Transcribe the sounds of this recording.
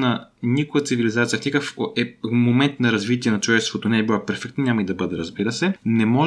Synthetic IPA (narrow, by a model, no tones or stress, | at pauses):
nɐnikʊjət̪sivilizat̪sijəfnʲikəkfoɛmomɛnt̪nɐɾɐzvit̪iɛnɐt͡ʃovɛst̪vot̪onɛɛbilˠapɛɾfɛk̚t̪nəɲʲamɐid̪ɐbɤd̪ɛɾɐzbiɾəsɛnɛmɔʒ